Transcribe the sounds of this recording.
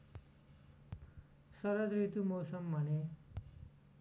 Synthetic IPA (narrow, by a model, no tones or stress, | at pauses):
sʌɾʌdrit̪umowsʌmbʱʌne